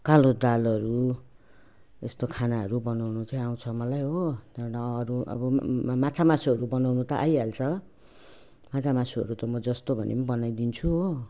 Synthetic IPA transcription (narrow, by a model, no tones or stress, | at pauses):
kalod̪alʌɾu | est̪okʰanaɦʌɾubʌnawnut͡saĩaw̃t͡sʰʌmʌlajɦot̪anaːɾuʌ̰bʌmat͡sʰamasuɦʌɾubʌnawnut̪ʌʔajalt͡sʰʌ | mat͡sʰamasuʌ̰ɾut̪ʌmʌd͡zʌst̪obʱʌnḛmbʌnajd̪int͡sʰuɦo